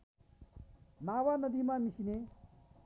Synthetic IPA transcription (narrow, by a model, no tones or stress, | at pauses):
maːwanəd̪imamisine